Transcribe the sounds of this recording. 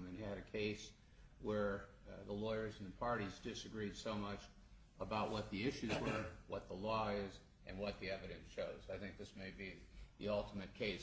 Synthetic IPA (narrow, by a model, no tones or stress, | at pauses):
mɨ̃nɨɾɨkʰeɪs | wə˞ | ðəlɔɪə˞zn̩ðɨpʰɑɹɾizdɪsɨɡɹid̥soʊmʌt͡ʃ | əbaʊʔ̚wʌt̪̚ðiɪʃʉzwə˞wʌt̪̚ðəlɔɪz | ʔɨ̰̃nwʌt̪̚ðiɛvɨɾɨ̃nsʃoʊzaɪθɪ̃ŋk̚ðɪsmeɪbiðḭʌlˠtəmɨt̚kʰeɪs